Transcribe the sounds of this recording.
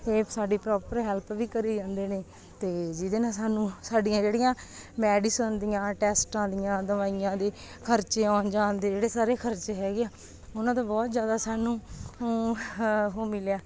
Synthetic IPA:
eːsaːɖiːpɾɔːpəɾɦɛlpʋiːkəɾiːd͡ʒãːnd̪eːneː | t̪eːd͡ʒɪd̪eːnãːsaːnũːsaːɖɪjãːd͡ʒeːɽɪjãːmɛːɖiːsənd̪ɪjãːʈɛːsʈãːd̪ɪjãːd̪əʋaːijãːd̪eː | kʰəɾt͡ʃẽːaːnd͡ʒaːnd̪eːd͡ʒeːɽeːsaːɾeːkʰəɾt͡ʃeːɦɛːɡeaː | ʊnãːt̪ãːbɔːt̪zjaːd̪aːsaːnũːoː | ɦoːmɪljaː

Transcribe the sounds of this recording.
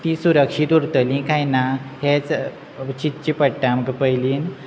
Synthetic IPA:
t̪isuɾəkʂit̪uɾt̪əlĩkʰajnahet͡s | t͡ɕit̪̚t͡ɕipəʈːamkəpəjliːn

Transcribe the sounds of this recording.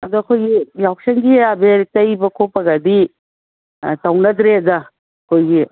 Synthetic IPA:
ɐdɔɐkʰojɡijawk̚seŋɡiabeɾtɐjbɐkʰopɐɡɐdi | tawnɐd̪ɾeɐdɐ | kʰojɡi

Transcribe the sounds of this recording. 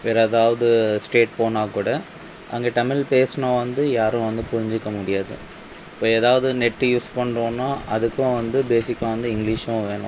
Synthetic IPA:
ʋeːɾɐðaːʋɐðɯsʈeːʈ̚poːnaːkuːɽɐ | ʔɐŋɡeʈɐmɪlpeːsnãːʋɐnd̪ɯjaːɾʊ̃ʋɐnd̪ɯpʊɾɪɲd͡ʒɪkːɐmʊɽɪjaːðɯ̰ | ɪpːoːeːðaːʋɐðɯnɛʈːjuːspɐɳɾõːnːaːʔɐðɯkːʊ̃ʋɐnd̪ɯbeːsɪkːaːʋɐnd̪ɯɪŋɡlɪʂʋʊ̃ʋeːɳʊ̰̃

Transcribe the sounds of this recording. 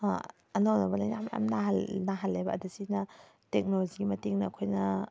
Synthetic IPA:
a̰ | ɐnownɐbɐlajnamja̰mnaɦɐlnɐɦɐlːebɐʔɐdasinɐ | tek̚noloziɡimɐtiŋnɐkʰojnɐ

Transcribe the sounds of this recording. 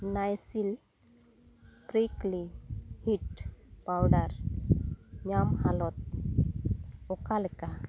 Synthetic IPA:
najsil | pɾiklihitpawɖaɾ | ɲamhalɔt̪̚ | ɔkaleka

